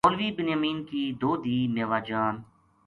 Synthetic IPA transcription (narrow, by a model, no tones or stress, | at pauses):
oːlʋiːbɪnjəmiːnkiːd̪oːd̪iːmeːʋaːd͡ʒaːn